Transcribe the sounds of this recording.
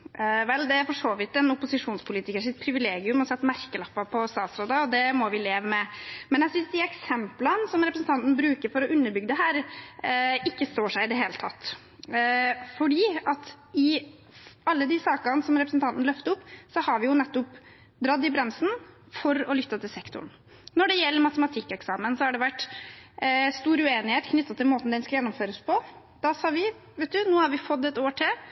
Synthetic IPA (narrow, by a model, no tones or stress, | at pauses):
ʋɛld̪ɛæɾfɔʂoːʋɪt̪ːɛnʊpʊsɪʂuːnspʰʊliːt̪ɪkəʂɪt̪̚pʰɾɪʋɪleːɡɪʉmɔsɛt̪ːmæɾkəlɑpːɑpʰɔst̪ɑːt̪sɾoːd̪ɑɔd̪ɛmɔʋɪleːʋəmɛmɛnæsɪsd̪ɪɛksɛmplənsɔmɾɛpɾsn̩t̪ɑnt̪n̩bɾʉːkəɾfɔɾɔʔʉnːəbʏɡːd̪əɦæːɾ | ɪkːəst̪oːʂæɪɪd̪ɛɦeːlət̪ʰɑt̪ː | fɔɖiːɑt̪ | ɪ | ɑlːəd̪ɪsɑːkɑnsɔmɾɛpɾəsn̩t̪ʰɑnt̪n̩lœft̪əʊpːsɔhɑɾʋɪjʊnɛt̪ːʊp | d̪ɾɑd̪ːɪbɾɛmsn̩ | fɔɾɔlʏt̪ːət̪ɪlsɛkt̪ʊ̰ɳ | nɔɖɛjɛlːəɾmɑt̪əmɑt̪ʰɪkːɛksɑːmənsɔhæɖɛʋæʈː | st̪uːɾʉeːnɪheːt̪kʰnʏt̪ːɑt̪ʰːɪlmoːt̪n̩d̪ɛnskɑljɛnːʊmføːɾəspʰɔ | d̪̥ɑsɑːʋɪ | ʋɛt̪̚d̪ʉnoːhɑɾʋɪfɔd̪ːɛt̪oːʈʰɪ